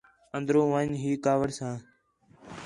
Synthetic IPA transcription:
ənd̪ɾõːʋãːɲɦiːkaːʋəɽsãː

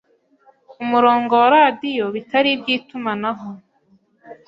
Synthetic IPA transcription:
umuɾo̞ːŋɡowaɾaːdijo̞βitaɾibɟiːtumanaɦo

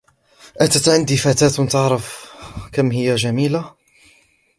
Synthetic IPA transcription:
ʔat̪at̪ʕɪnd̪ifæːt̪aːt̪nt̪ɑʕɾˤɑfkamhɪjːaʒæmiːla

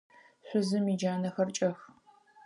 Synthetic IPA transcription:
ɕʷʊzɨmid͡ʒaːnɐxɐrt͡ʃʼɐx

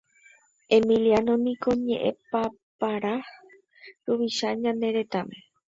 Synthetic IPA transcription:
e̞mĩlianomĩko̞ɲẽʔḛ̃pa | paɾa | ɾuβiʃaɲãnd̪e̞ɾe̞t̪amẽ

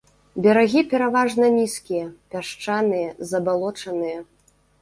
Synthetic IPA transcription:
bʲaɾaɣʲipʲɛɾavaʐnɐnʲiskʲijɐpʲaʂt͡ʂanɨjɐzɐbalˠɔt͡ʂɐnɨjɐ

